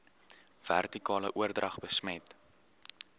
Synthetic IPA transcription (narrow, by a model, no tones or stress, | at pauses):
v̥æ̰rtikɑːləʔuərdrʔɐχbəsmɛt